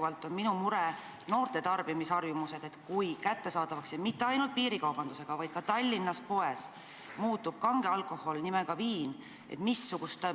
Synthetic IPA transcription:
vɑlt̪ːˑo̞nminumuɾe | no̞ːrt̪e̞t̪ɑrb̥imisɑrjumuse̞d̪̥e̞t̪kujkæt̪ːe̞sɑːd̪ɑvɑksjɑmit̪ːeɑjnult̪̚piːɾikɑwb̥ɑnd̪use̞ɡ̥ɑvɑjd̪̥̚kɑt̪ɑlʲːinːɑspo̞e̞s | muːt̪ːub̥̚kɑŋɡ̥eɑlkˑo̞ho̞lnime̞ɡ̥ɑviːn | ʔḛt̪misːuɡ̥ust̪

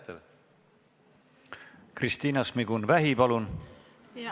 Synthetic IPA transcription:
t̪ | krist̪iːnɑsmiɡ̥unvæɦipɑlun

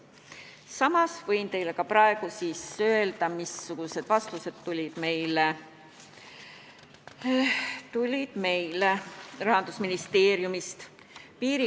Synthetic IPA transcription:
sɑmɑsvɤjnt̪e̞jle̞kɑprɑe̞ɡ̥usiːsø̞e̞ld̪̥ɑmisːuɡ̥use̞d̪̥vɑst̪use̞d̪̥t̪ulʲid̪̥me̞jle | t̪ulʲid̪̥me̞jlerɑɦɑnd̪̥usminist̪e̞ːɾjumist̪ | piːɾi

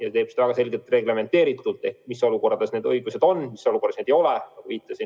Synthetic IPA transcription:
jɑt̪eːb̥sid̪ɑvæɡɑs̬e̞lʲɡelt̪re̞ɡle̞me̞nt̪ːˑe̞ːɾit̪ːˑult̪ˑe̞hkmisːo̞luko̞rɑd̪esne̞ːd̪ɤjɡ̥use̞d̪̥o̞nːmisːo̞luko̞rɑsneːd̪ejo̞le̞nɑɡuviːt̪ˑːɑsin

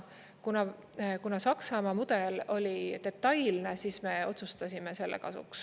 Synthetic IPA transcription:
kunɑ | kunɑsɑksɑmɑmud̪̥e̞lo̞lʲit̪e̞t̪ːˑɑjlne̞siːsme̞o̞t̪sust̪ɑsʲimese̞lːʔḛkɑ̰sṵks

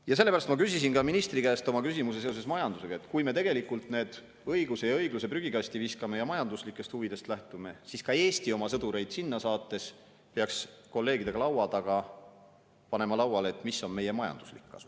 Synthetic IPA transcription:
jɑs̬e̞lːpæɾɑst̪mɑkysʲis̬inkɑminist̪ɾikæːst̪o̞mɑkysʲimus̬e̞s̬eose̞smɑjɑnd̪use̞ɡ̥ɑe̞t̪kujme̞t̪e̞ɡe̞likːˑult̪ˑne̞ːd̪̥ | ɤjɡ̥use̞jɑɤjɡ̥luse̞pryɡ̥ikɑsʲt̪iviskɑme̞jɑmɑjɑnd̪uslikːˑe̞st̪huvid̪̥e̞st̪læht̪ume̞siskɑe̞ːst̪io̞mɑsɤd̪uɾe̞jd̪̥sinːɑsɑːt̪ːˑe̞s | peɑksko̞lːe̞ːɡ̥id̪e̞ɡ̥ɑlɑwɑd̪̥ɑɡ̥ɑ | pɑne̞mɑlɑwɑleet̪ˑmisːo̞nme̞je̞mɑjɑ̰nd̪u̥slikːɑ̰su̥

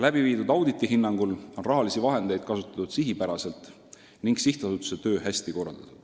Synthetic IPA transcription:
læb̥iviːd̪ud̪ɑwd̪it̪ːˑiɦinːɑŋɡ̥ulo̞nrɑɦɑlisivɑɦe̞nd̪̥e̞jd̪̥̚kɑsut̪ːˑɑ̥t̪ud̪̥siɦipæɾɑse̞lt̪ˑ | niŋɡ̥siht̪ɑsut̪ːˑu̥set̪ø̞ːɦæsʲt̪iko̞rːɑ̰ld̪̥ɑt̪ud̪̥

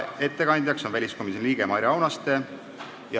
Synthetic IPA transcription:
e̞t̪ːe̞kɑnd̪̥ʲjɑkso̞nvælʲisko̞misenliːɡ̥emɑɾʲjɑɑwnɑst̪e̞ | jɑ

